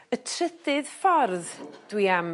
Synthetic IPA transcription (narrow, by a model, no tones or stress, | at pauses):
ətʰrədɪðfɔrðd̥wiam